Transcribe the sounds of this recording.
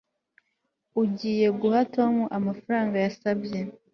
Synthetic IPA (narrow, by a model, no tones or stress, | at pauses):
uɟiːje̞ɡuhato̞ːmuʔamafaɾaːŋɡajasabje̞